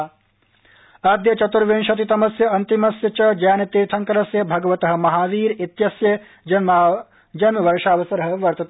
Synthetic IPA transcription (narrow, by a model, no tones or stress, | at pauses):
aːd̪jɐt͡ʃɐt̪uɾʋeːnʃɐt̪̬it̪ɐmɐsjɐɐnt̪imɐsjɐt͡ʃɐd͡ʒɐjaːnɐt̪eːt̪ʰɐŋkɐɾɐsjɐbʱɐɡɐʋɐt̪ɐɦɐ̆mɐɦaːʋiːɾit̪jɐsjɐ | d͡ʒɐn | d͡ʒɐnʋɐɾʂaːʋɐsɐɾɐɦɐ̆ʋɐɾt̪ɐt̪